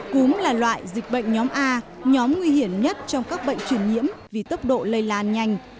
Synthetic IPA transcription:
kʊ˨˦ŋ͡mlaː˨˩lwa̰ː˧˨jzi˨˩k̟̚ɓə̰˧˨jŋ̟ɲɔ˨˦mʔaː˧ɲɔ˨˦mŋwi˧hi˧˩əmɲə˦˥t̚t͡ɕɔ˧wŋ͡mkaː˦˥k̚ɓə̰˧˨jŋ̟t͡ɕwi˧˩ənɲḭ˧˥əmvi˨˩t̪ə˦˥p̚ɗo̰˧˨lə˧jlaː˧nɲa˧˩jŋ̟

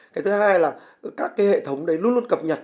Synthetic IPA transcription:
kaː˨˦jt̪ʰɨ˨˦haː˧jlaː˨˩ | kaː˦˥kːaː˨˦jhḛ˧˨t̪ʰə˨˦wŋ͡mɗə˨˦jlu˧ənlu˧ə˦nkə˨˩p̚ɲə˨˩t̚

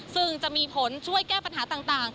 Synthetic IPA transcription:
sɯ˥˩ŋt͡ɕa˨˩ʔmiː˧pʰo˩˦nt͡ɕʰu˥˩əjkɛː˥˩pa˧nɦaː˩˦t̪aː˨˩ŋt̪aː˨˩ŋ

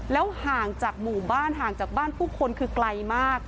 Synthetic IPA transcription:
lɛː˦˥whaː˨˩ŋt͡ɕaː˨˩k̚muː˨˩baː˥˩nɦaː˨˩ŋt͡ɕaː˨˩k̚baː˥˩npʰuː˥˩kʰo˧nkʰɯː˧kla˧jmaː˥˩k̚

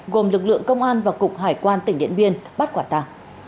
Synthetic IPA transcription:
ɣo˨˩mlɨ˨˩k̚lɨ̰˧˨əŋkə˧wŋ͡mʔaː˧nvaː˨˩kʊ˨˩k͡p̚haː˧˩jkwaː˧nt̪ï˧˩ŋ̟ɗḭ˧˨ənvi˧ənɓa˦˥t̚kwaː˧˩t̪aː˧˩ŋ

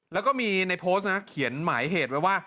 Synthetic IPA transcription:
lɛː˦˥wkɔː˥˩miː˧na˧jpʰoː˦˥na˦˥kʰi˩˦ənmaː˩˦jɦeː˨˩t̪̚bɛ˨˩waː˥˩

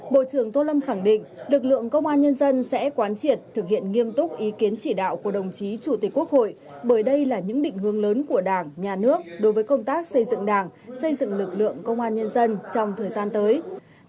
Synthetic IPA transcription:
ɓo̰˧˨t͡ɕɨ˧˩əŋt̪o˧lə˧mxa˧˩ŋɗḭ̈˧˨ŋ̟lɨ˨˩k̚lɨ̰˧˨əŋkə˧wŋ͡mʔaː˧nɲə˧nzə˧nsɛ̰˧˥kwaː˨˦nt͡ɕi˨˩ət̚t̪ʰːɨ˨˩k̚hḭ˧˨ənŋi˧əmt̪ʊ˦˥k͡p̚ʔi˨˦ki˨˦ənt͡ɕi˧˩ɗa̰ː˧˨wku˧˩ɗə˨˩wŋ͡mt͡ɕi˨˦t͡ɕu˧˩t̪i˨˩kːu˦˥ək̚ho̰˧˨j | ɓəː˧˩jɗə˧jlaː˨˩ɲɨ̰˧˥ŋɗḭ̈˧˨ŋ̟hɨ˨˧˩əŋləː˨˦nku˧˩əɗaː˨˩ŋɲaː˨˩nɨ˦˥ək̚ɗo˨˦jvəː˨˦jkə˧wŋ͡mt̪aː˦˥k̚sə˧jzɨ̰˧˨ŋɗaː˨˩ŋsə˧jzɨ̰˧˨ŋlɨ˨˩k̚lɨ̰˧˨əŋkə˧wŋ͡mʔaː˧nɲə˧nzə˧nt͡ɕɔ˧wŋ͡mt̪ʰəː˨˩jzaː˧nt̪əː˨˦j

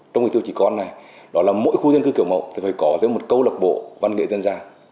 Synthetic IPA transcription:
t͡ɕɔ˧ŋ͡mŋ˨˩t̪ʰt͡ɕi˧˨˩kɔ˧nːa˨˩jɗɔ˨˦laː˨˩mo̰˧˥jxu˧zə˧nŋkɨ˧ki˧˩əwŋ͡mmə̰˧˨wʔt̪ʰi˨˩fəː˨˩jkɔ˨˦zəː˨˦jmo˨˩t̚kə˧wlə˨˩k͡p̚ɓo̰˧˨va˧nŋḛ˧˨zə˧nzaː˧

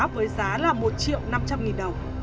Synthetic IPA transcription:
p̚vəː˨˦jzaː˨˦laː˨˩mo˨˩t̚t͡ɕḭ˧˨wna˧mt͡ɕa˧mŋi˨˩nɗə˨˩wŋ͡m

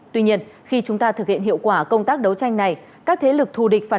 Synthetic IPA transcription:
t̪wi˧ɲi˧ənxi˧t͡ɕʊ˨˦ŋ͡mt̪aː˧t̪ʰɨ˨˩k̚hḭ˧ənɦḭ˧˨əwkwaː˧˩kə˧wŋ͡mt̪aː˦˥k̚ɗə˨˦wt͡ɕa˧jŋ̟na˨˩j | kaː˦˥k̚t̪ʰe˨˦lɨ˨˩k̚t̪ʰu˨˩ɗi˨˩k̟̚faː˧˩

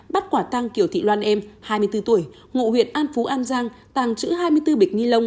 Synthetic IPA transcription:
ɓa˦˥t̚kwaː˧˩t̪a˧ŋki˧˩əwt̪ʰḭ˧˨lwaː˧nʔɛ˧mhaː˧jmɨ˧əjt̪ɨ˧t̪u˧˩əj | ŋṵ˧˨hwḭ˨˩ət̚ʔaː˧nfu˨˦ʔaː˧nzaː˧ŋ | t̪aː˨˩ŋt͡ɕɨ̰˧˥ɦaː˧jmɨ˧əjt̪ɨ˧ɓi˨˩k̟̚ŋi˧lə˧wŋ͡m

